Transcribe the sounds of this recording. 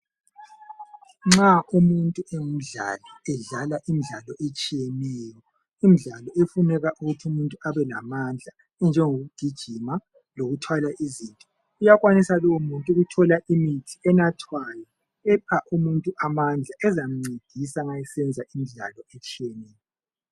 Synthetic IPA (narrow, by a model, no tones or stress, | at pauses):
ŋ͡ǁaʔumuntʼuem̩ɮa̰lɔɛɮalaʔimiɮalɔʔet͡ʃʼijenɛjɔ | im̩ɮalɔefunɛɣaʔuɣutʰiumuntʼuaβɛla̰mand͡ɮʱa | ɛnd͡ʒʱɛŋoɣud̥ʱid̥ʒ̥ʱima | loɣutʰwalaʔizintʼɔ | ujaɣwanisalɔwumuntʼuɣutʰɔlaʔimitʰiɛnatʰwajɔ | ɛpʰaʔumuntʼuʔamand͡ɮʱaʔɛzam̩ŋ͡ǀed̥ʱisaŋajɛsɛnd͡zʱaʔimiɮa̰lɔet͡ʃʼijenɛːjɔ